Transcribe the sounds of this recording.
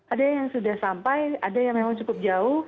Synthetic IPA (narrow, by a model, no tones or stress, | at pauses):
ʔadajaŋsudahsampajadajaŋmemaŋt͡ʃukʊp̚d͡ʒaʊh